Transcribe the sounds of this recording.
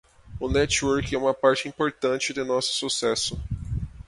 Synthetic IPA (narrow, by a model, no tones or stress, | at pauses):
ʊnɛt͡ʃwoɾkɛũmɐpaɾt͡ʃɪĩpoɾt̪ɐ̃nt͡ʃɪd̪ɪnɔsʊ̥susɛsʊ